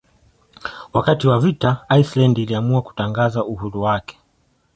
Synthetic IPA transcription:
wakatiwavitaajslandiliamuaku̥taŋɡazauhuɾuwakɛ̥

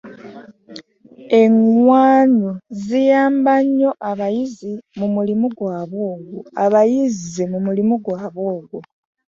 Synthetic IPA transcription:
e̞ŋwaːnozijaːmbaɲːo̞ʔaβajizimumulimuɡwaːβoːɡuaβajizemumulimuɡwaːβoːɡu

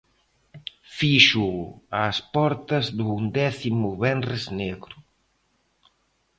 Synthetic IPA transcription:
fiʃuaːspɔɾt̪ɐzðund̪ɛθimʊβɛnrezneɣɾʊ

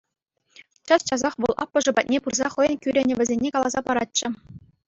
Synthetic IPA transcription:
t͡ɕɑst͡ɕɑzɑχʋɤ̆lˠʔɑ̰pːɤ̆ʐɤ̆bɑt̪̚ʲnʲepurzɑχɤ̆jɤ̆nkʲyɾʲɘ̆nʲɘ̆ʋʲɘ̆zʲenʲːekɑlˠɑzɑpɑɾɑt̚t͡ɕːɘ̆

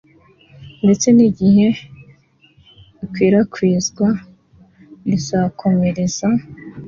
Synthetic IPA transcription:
nde̞t͡se̞niɟihe̞ | ikwiːɾakwiːzɡwa | ɾizakʰo̞me̞ɾe̞z̥a

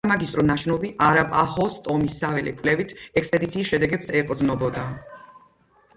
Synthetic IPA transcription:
amaɡist̪ʼɾɔnaʃnɔbiʔaɾabʼahɔst̪ʼɔmisːavɛlɛ̰kʼvlɛvit̪ʰɛkspʼɛd̪it̪sʰiːsʃɛd̪ɛɡɛpsɛqʼɾd̪nɔbɔd̪a

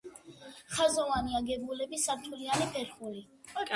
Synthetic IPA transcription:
χazɔvaniaɡɛbulɛbisaɾt̪ʰulianipʰɛɾχuli

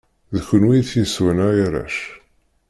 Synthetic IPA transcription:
ðçənwijθjəswənajaɾæ̰ʃ

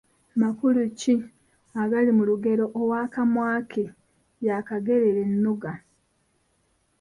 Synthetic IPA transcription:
makuluci | aɡalimuluɡe̞ɾo̞ʔːwaːkamwaːkʰe | jakaɡe̞ɾeɾe̞nːuɡa

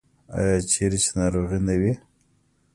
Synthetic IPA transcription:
a̰jɑt͡ʃʰeɾet͡ʃe̥nɑɾoɣinawi

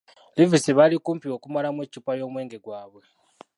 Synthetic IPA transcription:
livisiβalikuːmpiwo̞ːkumalamweːcupajo̞ːmwe̞ːŋɡe̞ɡwaːβwe

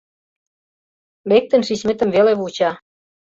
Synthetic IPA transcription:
lek̚t̪ə̆nʃiɕmet̪ə̆mveleβut͡ɕɑ

